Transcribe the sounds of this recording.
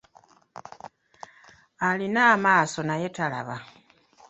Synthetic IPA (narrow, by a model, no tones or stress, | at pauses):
alinaːmaːso̞naje̞tala̰βa